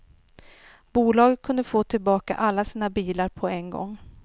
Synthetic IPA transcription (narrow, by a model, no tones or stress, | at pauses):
b̥uːlɑːɡkʰɵnd̪əfoːt̪ʰɪlbɑːka̰ʔalːasiːnabiːlaɾpʰɔɛnɡɔ̰ŋː